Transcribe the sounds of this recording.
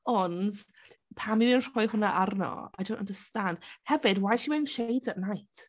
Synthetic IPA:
ɔnd | pʰamivinr̥ɔjhʊnaʔarnɔ̰a̰jdõw̃ntəndəstand̥hɛvɨdwajʃiwɛnʃejdəʔnajtʰ

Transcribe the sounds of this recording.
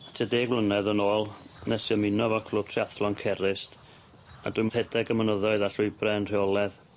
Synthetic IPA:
tʰədeːɡwlˠənɛðənoːlˠnɛsjɔmɪnɔvɔkʰlˠʊtʰriaθlˠɔnkʰɛɾɪst | a̰dwuɨjmrhɛdɛɡəmənəðɔɨðaɬʊɨbrɛənr̥ɪɔlˠɛð

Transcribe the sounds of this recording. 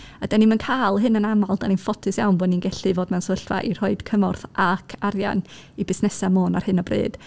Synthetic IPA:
ad̥animənkʰaːlˠɦɨnənamalˠd̥aninfɔtʰɨsjawnboːninɡɛɬɨvoːd̚mɛnsəɬva̰ʔir̥ɔɨd̥kʰəmɔrθʔakʰaɾja̰n | ibɪsnɛsamoːnar̥hɨnɔbrɨ̰ːd̥

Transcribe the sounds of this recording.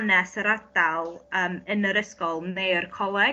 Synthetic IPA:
nɛsəɾadalˠəːmənəɾəskɔlˠmejrkʰɔlˠɛɡ

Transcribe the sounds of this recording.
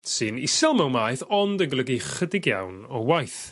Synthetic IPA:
sɨnɪsɛlˠmɛwmaːjθɔndəɡlˠəɡiχədɪɡja̰wnɔwajθ

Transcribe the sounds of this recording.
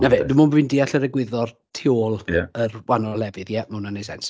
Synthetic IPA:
naveːdumunbwindiːaɬəɾɛɡwɪðɔr | tʰɪolˠjaərwanɔlɛvɨðjɛmɛwnanejs̬ɛ̰ns

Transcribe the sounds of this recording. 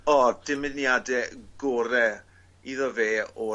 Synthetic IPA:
ɔd̥ɪmɪnjadɛɡɔɾɛ | iðɔveːɔ

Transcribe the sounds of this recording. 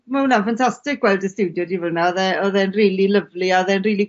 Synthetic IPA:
maunanfantʰastɪk̚ɡwɛlˠdəstɪwdjɔdivərnaɔðɛɔðɛnriːlˠilˠəvlˠiaɔðɛnriːlˠi

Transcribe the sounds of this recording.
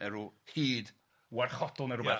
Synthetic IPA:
ɛɾuhiːd | warχɔdɔlˠnɛɾʊbɛ

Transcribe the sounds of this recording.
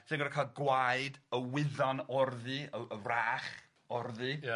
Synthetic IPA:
sɪnɡɔdakʰal̚ɡwajdəwɪðɔnɔrðɨəəraːχ | ɔrðɨ

